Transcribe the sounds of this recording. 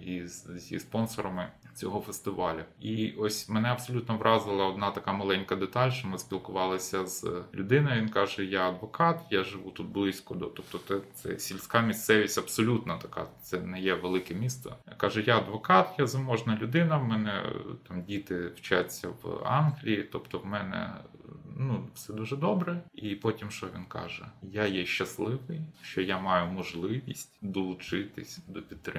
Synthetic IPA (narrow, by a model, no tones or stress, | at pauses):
izzʲḭspɔnsɔɾɐmɪt͡sʲɔɦɔfest̪ɪʋɑlʲʊiʔɔsʲmɛnɛɐbsɔlʲut̪nɔʋrʔɑzɪlˠɐɔd̪nɑt̪ɐkɑmɐlˠɛnʲkɐd̪et̪ɑlʲʃt͡ʃɔmɪsʲpʲilˠkʊʋɑlˠɐsʲɐz̥lʲʊd̪ɪnɔjʋʲinkɑʒɛjaɐd̪ʋɔkɑt̪jaʒɪʋut̪ut̪̚blˠɪsʲkɔd̪ɔt̪ɔp̚t̪ɔɛt̪sɛ̰sʲilʲsʲkɑmʲist̪sɛʋʲisʲɐbsɔlʲut̪nɐt̪ɐkɑ̰t̪sɛnɛjɛʋelˠɪkɛmʲist̪ɐ̰kɑʒɛjaɐd̪ʋɔkɑt̪jazɐmɔʒnɐlʲʊd̪ɪnɐmɛnɛ̰t̪ɑmdʲit̪ɪwt͡ʃat͡sʲːɐ̰ʋɑ̰nɦlʲijit̪ɔpt̪ɔwmɛnɛ̰ | nufsɛd̪uʒɛd̪ɔbɾɛipɔtʲimʃt͡ʃɔʋʲinkɑ̰ʒɛjajɛʃt͡ʃːɐslˠɪʋɪjʃt͡ʃɔjamɑjʊmɔʒlˠɪʋʲisʲtʲd̪ɔlˠʊt͡ʃɪt̪ɪsʲd̪ɔpʲid̪t̪ːɾɪ